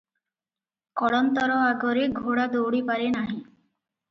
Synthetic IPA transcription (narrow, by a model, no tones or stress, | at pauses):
kɔɽɔnt̪ɔɾɔaɡɔɾeɡʱoɽad̪owɽipaɾenaɦĩ